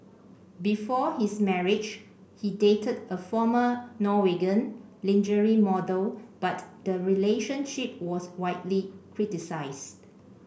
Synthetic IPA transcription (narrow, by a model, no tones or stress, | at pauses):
bifɔhismɛɹid͡ʒ | hidetʰədəfɔmənɔweɡə̃nlĩnd͡ʒəɹimɔdəlb̥atd̥əɹileʃə̃nʃip̚wɔswaɪtlikʰɹitisaɪst